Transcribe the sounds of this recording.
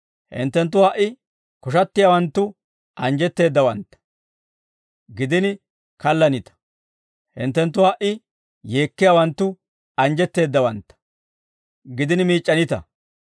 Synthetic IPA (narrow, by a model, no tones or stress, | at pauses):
hɪ̰nt̪ːɛnt̪̬ːʊwaʔɪ | kɔʃɐt̪ːɪjaːwɐnt̪ːʊ | ʔɐnd͡ʒɛt̪ːe̞ːd̪ːɐwɐnt̪ːɐ̥ | ɡɪd̪ɪn | kɐlːɐnɪt̪ɐ̥ | hɪ̰nt̪ːɛnt̪̬ːʊwaʔɪ | je̞ːkːɪjawɐnt̪ːʊ | ɐnd͡ʒɛt̪ːe̞ːd̪ːɐwɐnt̪ːɐ̥ | ɡɪd̪ɪnmiːt͡ʃʼːɐnɪt̪ɐ̰